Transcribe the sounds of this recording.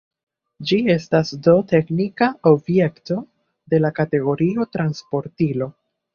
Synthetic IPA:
d͡ʒie̞stasdo̞te̞knikaobje̞kto̞ | de̞lakate̞ɡo̞ɾio̞tɾanspo̞ɾtilo̞

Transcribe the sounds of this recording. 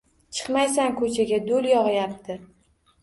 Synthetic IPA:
t͡ʃʰɨ̥qmajsaŋkʰɵt͡ʃʰaɡʲad̪oljɒʁɨjap̚t̪ʰɪ

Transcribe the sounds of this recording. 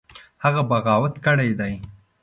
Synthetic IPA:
haɣabaɣɑːwat̪kəɽajd̪aj

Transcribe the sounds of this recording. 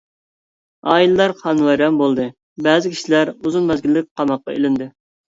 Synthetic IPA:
ɑ̰ːilɨlɑɾqʰɑnwɑjɾɛmbolˠd̪ɨ | bɛːzɪkʲʰi̥ʃilæɾuzunmɛzɡʲilːɪk̚ʲqʰɑmɑqːɑ̰ḛlɪnd̪ɪ

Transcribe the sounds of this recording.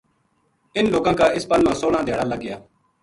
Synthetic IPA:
ɪnloːkãːkaːɪspəlmãːsoːlãːd̪eːɽaːləɡɪjaː

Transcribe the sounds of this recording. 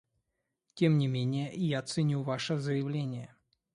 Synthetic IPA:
tʲemnʲɪmʲenʲɪjəjat̪sɨnʲuvaʂəzəjɪvlʲenʲɪjə

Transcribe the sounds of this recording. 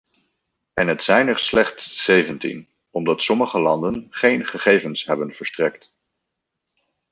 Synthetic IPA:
ɛnɦətsɛjnɛɹslɛχtsːejvəntḭn | ɔmdɑtsɔməχəlɑ̰ndənχejnχəχejvənsɦɛbənv̥əɹstrɛkt

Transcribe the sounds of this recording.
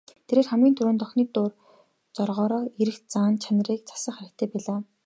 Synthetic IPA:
t̪ʰeɾeːrχæmɡʲiːnt̪ʰɵɾuːnt̪ɔxniːt̪ʊːr | t͡sɔrʁɔːɾɔːeɾɘ̆xt͡saːnt͡ɕʰanə̆riːk̚t͡sʰḁsə̆ɴχæɾə̆k̚t̪ʰeːpæːɮaː

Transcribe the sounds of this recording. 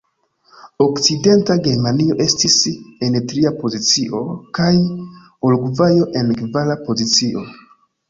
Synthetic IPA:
o̞kt͡side̞ntaɡe̞ɾmanio̞ʔe̞stisenetɾiapo̞zit͡siʔo̞kaj | olɡuvajo̞ʔe̞nkvalapo̞zit͡siʔo̞

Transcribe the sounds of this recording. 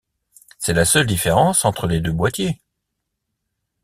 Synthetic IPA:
sɛlasœld̪ifeʁɑ̃sɑ̃t̪χəled̪øbwat̪je

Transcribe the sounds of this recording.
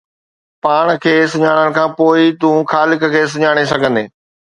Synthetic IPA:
paːɽ̃kʰeːsʊɲaːɽ̃ənɪ̆kʰãːpoːɪt̪ũxaːlɪkkʰeːs̬ʊɲaːɽ̃esɐɡʱə̃nd̪eː

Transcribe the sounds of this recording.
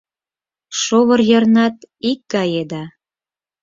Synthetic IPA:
ʃoβərjə̆rnɑt̪ikːɑjed̪ɑ

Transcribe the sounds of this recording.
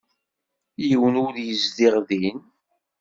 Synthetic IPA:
jəwənʊðjəzdiʁðin

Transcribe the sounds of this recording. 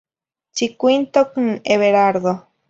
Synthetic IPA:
t͡ʃikʷint̪okɨŋeβeɾaɾðo

